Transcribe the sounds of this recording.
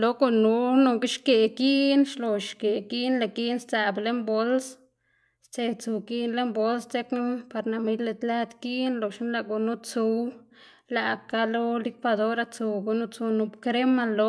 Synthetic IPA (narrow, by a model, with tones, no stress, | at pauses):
lo˧ɡu˨nu˧˦nu˧ɡi˦ʃke˨ki˦ʔnʃlo˨ʃke˨ki˦ʔnla˨ki˦nst͡sa˨ble˦mbo˦ls | st͡se˧t͡su˨ki˦nle˦mbo˧lst͡se˦knpa˧ɾna˨mi˧jle˧t̪la˦d̪ki˦ʔnlo˨ʃi˦nla˧ɡu˧nu˦t͡su˧wla˨ka˦lo˦li˦kwa˧d̪o˦ɾa˧t͡su˧ɡu˨nu˦t͡su˧nu˧bkɾe˦ma˧lo˧